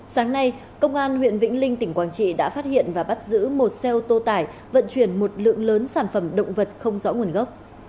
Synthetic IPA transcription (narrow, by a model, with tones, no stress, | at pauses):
saː˨˦ŋna˧j | kə˧wŋ͡mʔaː˧nɦwḭ˧˨ənvḭ˧˥ŋ̟lï˧ŋ̟t̪ï˧˩ŋ̟kwaː˧˩ŋt͡ɕḭ˧˨ɗa̰ː˧˥faː˦˥t̚hḭ˧˨ənvaː˨˩ɓa˦˥t̚zɨ̰˧˥mo˨˩t̚sɛ˧wt̪o˧t̪aː˧˩j | və̰˧˨nt͡ɕwi˧˩ənmo˨˩t̚lɨ̰˧˨əŋləː˨˦nsaː˧˩nfə˧˩mɗə̰˧˨wŋ͡mvə˨˩t̚xə˧wŋ͡mzɔ̰˧˨˦ŋu˨˩ənɣə˦˥wk͡p̚